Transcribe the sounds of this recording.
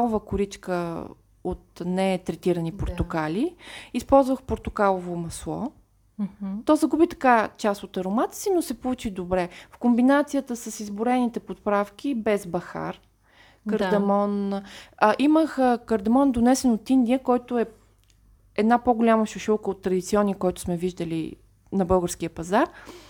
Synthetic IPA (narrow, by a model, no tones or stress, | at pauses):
ovəkʊɾit͡ʃkə | ot̪nɛt̪ɾɛt̪iɾənipoɾt̪ʊkaliispɔlˠzvəxpoɾt̪ʊkalˠovomɐslˠɔ̰ | t̪ɔzɐɡubit̪ɐ̥kat͡ʃast̪ot̪ɐɾomat̪ə̥sinosɛpolˠut͡ʃid̪obɾɛfkombinat̪sijət̪əsəsizbʊɾɛnit̪ɛpot̪̚pɾafk̟ʲibɛzbɐxa̰ɾ | kəɾd̪ɐmɔn | ʔiməxkəɾd̪ɐmɔnd̪onɛsɛnot̪ind̪ʲiəkɔjt̪ʊɛ | ɛd̪napoɡolʲaməʃuʃɔlˠkəot̪ːɾɐd̪it̪siɔnːiəkɔjt̪ʊ̥smɛviʒd̪əlḭ | nɐbɤlˠɡəɾsk̟iəpɐzaɾ